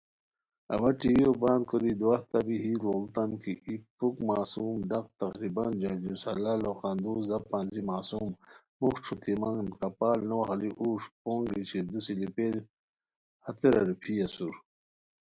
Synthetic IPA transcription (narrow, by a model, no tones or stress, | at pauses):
ɐ̰wɐʈiwiobãːnd̪koɾid̪uɐht̪ɐbiɦiːloːlt̪ɐmkiʔipukmaːsuːmɖɐq̚t̪ɐqɾibɐnd͡ʒɐd͡ʒusɐlaloqand̪uːzɐpaːnd͡ʑimaːsum | muxʈ͡ʂʰut̪imaŋnkɐpaːlnoɦɐliʔuːʂpoːŋɡit͡ʃʰid̪usilipeɾ | hɐt̪eɾɐ̰ɾipʰiɐsuɾ